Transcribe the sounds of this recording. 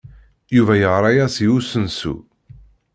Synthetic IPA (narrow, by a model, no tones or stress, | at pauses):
juvæjəʁɾˤɑjæsiusənsṵ